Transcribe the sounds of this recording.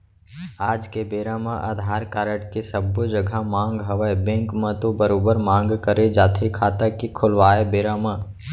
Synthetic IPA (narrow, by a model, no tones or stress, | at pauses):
aːd͡ʒkebeːɾaːmaʔa̰ːd̪ʱaːɾkaːɾəʈkesəbːod͡ʒəɡʱamãːŋɡɦɐʋəebẽːŋkmə̃t̪obəɾoːbəɾmãːŋɡkəɾed͡ʒaːt̪ʰikʰaːt̪akikʰʊlʋaːebeːɾaːma